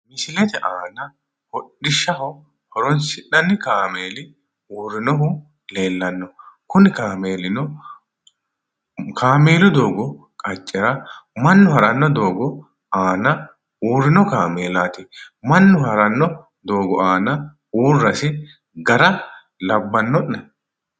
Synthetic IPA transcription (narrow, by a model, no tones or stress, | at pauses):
mɪsɪlɛt̪ɛʔaːnɐ | hɔɗːɪʃːɐhɔ | hɔɾɔnsɪᶑɐnːɪkaːme̞ːlɪ | uːrːɪnɔɦʊ | le̞ːlːɐnːɔkʊnɪkaːme̞ːlɪnɔ | kʰaːmeːlʊd̪o̞ːɡɔ | kʼɐt͡ʃʼːɛɾɐmɐnːʊhɐɾɐnːɔd̪o̞ːɡɔ | aːnɐ | uːrːɪnɔkaːmeːlaːt̪ɪ | mɐnːʊhɐɾɐnːɔ | d̪o̞ːɡɔaːnɐ | uːrːɐsɪ | ɡɐɾɐ | lɐbːɐnːɔʔːɐ